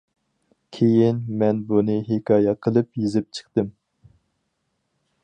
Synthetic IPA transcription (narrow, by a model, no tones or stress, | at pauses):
kʲʰejinmɛnbunɨɦekʰɑːjɛqʰəlˠɨpjizɪp̚t͡ʃʰə̥χt̪ɨm